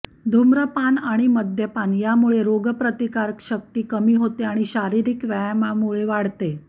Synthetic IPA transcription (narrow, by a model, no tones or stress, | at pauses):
d̪ʱumɾəpanaɽ̃iməd̪ʱjəpanjamuɭeɾoɡəpɾət̪ikaɾkɕək̚t̪iːkəmiːɦot̪eaɽ̃iɕaɾiɾikʋajmamuɭeʋaɽt̪e